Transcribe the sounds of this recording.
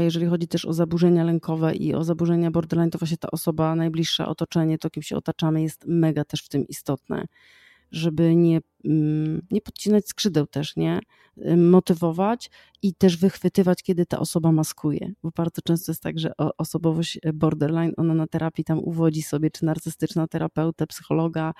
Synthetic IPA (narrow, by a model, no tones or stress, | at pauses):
ajɛʐɛlʲixɔd͡ʑit̪ɛʂɔ̰zabuʐɛɲalɛŋkʰɔvɛʔḭɔ̰zabuʐɛɲabɔɾd̪ɛɾlajnt̪ɔvwaɕɲɛt̪a̰ʔɔsɔbanajblʲiʂːa̰ʔɔ̰t̪ɔt͡ʂɛɲɛt̪ɔkʲimɕɛɔ̰t̪at͡ʂamɘjɛst̪mɛɡat̪ɛʂft̪ɘmʔist̪ɔt̪nɛ̰ | ʐɛbɘɲɛ | ɲɛpɔt̪̚t͡ɕinat͡ɕskʂɘd̪ɛwt̪ɛʂɲɛ | mɔt̪ɘvɔvat͡ɕ | it̪ɛʐvɘxfɘt̪ɘvat͡ɕkʲɛd̪ɘt̪a̰ʔɔsɔbamaskujɛ̰bɔbaɾd̪zɔt͡ʂɛ̃st̪ɔjɛst̪taɡʐɛʔɔʔɔsɔbɔvɔɕbɔɾd̪ɛɾlajnʔɔnanat̪ɛɾʔapʲjit̪amṵvɔd͡ʑisɔbʲjɛt͡ʂɘ̥naɾt̪sɨst̪ɘt͡ʂnat̪ɛɾapɛwt̪ɛpsɘ̥xɔlɔɡa